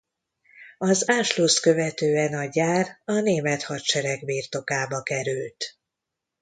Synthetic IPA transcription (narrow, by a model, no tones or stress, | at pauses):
ɒzaːʃloskø̞vɛt̪øːɛnɒɟaːrɒneːmɛt̪hɒt̪ʃɛɾɛɡbiːrt̪o̞kaːbɒkɛɾylt̪